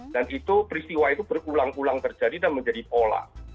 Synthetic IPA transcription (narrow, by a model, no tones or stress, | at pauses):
d̥anʔit̪upəɾist̪iwait̪ub̥ərulaŋulaŋt̪ərd͡ʒadidanməɲd͡ʒadipola̰